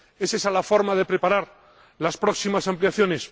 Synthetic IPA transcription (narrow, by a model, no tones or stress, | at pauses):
esesalafo̞ɾmaðe̞pɾe̞paɾaɾ | laspɾo̞ksimasampljaθjo̞ne̞s